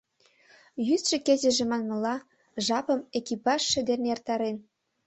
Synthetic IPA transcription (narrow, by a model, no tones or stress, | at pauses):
jysʃĕkezĕʒĕmɑnmɤ̆lɑ | ʒɑpə̆mekipɑʃːɘ̆d̪enert̪ɑɾen